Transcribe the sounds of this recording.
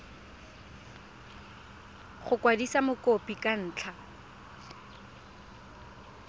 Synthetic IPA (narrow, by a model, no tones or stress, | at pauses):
χʊkʼwadisamʊkopʼikʼan̩ːt͡ɬʰa